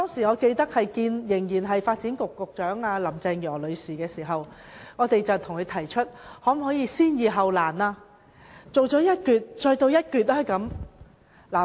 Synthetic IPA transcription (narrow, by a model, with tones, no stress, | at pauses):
t̪ɔː˥ŋsiː˨˩ŋɔː˨˧ke˧jt̪ɐ˥k̚hɐ˨jkiː˧njɪ˨˩ŋjiː˨˩nɦɐ˨jfaː˧t̚t͡siː˨˥nkʊ˨kːʊ˨k̚t͡ʃœː˨˥ŋaː˧lɐ˨˩mt͡sɛ˧ŋjɔː˨˩lɵ˨˧ɥsiː˨kɛː˧siː˨˩ɦɐ˨w | ŋɔː˨˧t̪e˨jt͡sɐ˨wt̪ʰʊ˨˩ŋkʰɵ˨˧ɥt̪ʰɐ˨˩jt͡ʃʰɵ˥t̚hɔː˨˥m˨hɔː˨˥jiː˧siː˥njiː˨˧ɦɐ˨wlaː˨˩naː˧ | t͡so˨wt͡ʃɔː˨˥jɐ˥t̚kyː˨˧t̚t͡ʃɔː˧jt̪o˧wjɐ˥t̚kyː˨˧t̚laː˥kɐ˨˥m | laː˨˩